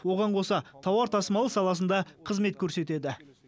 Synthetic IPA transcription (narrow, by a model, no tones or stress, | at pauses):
wo̞ʁɑɴqʰo̞sɑt̪ʰɑwɑɾt̪ʰɑsəmɑlˠəsɑlˠɑs̬ənd̪ɑqʰəzme̞t̪̚kʲʰɵɾse̞t̪e̞d̪ɪ